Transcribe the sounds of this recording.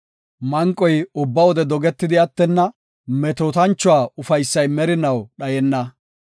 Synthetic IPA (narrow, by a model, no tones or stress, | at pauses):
mɐŋkʼːɔjʊbːɐwɔd̪ɛd̪ɔɡɛt̪ːɪd̪ɪɐt̪ːɛnːɐ | mɛt̪oːt̪ɐnt͡ʃːʊwaːʊfɐjsːɐjmɛɾɪnɐwɗɐjɛnːɐ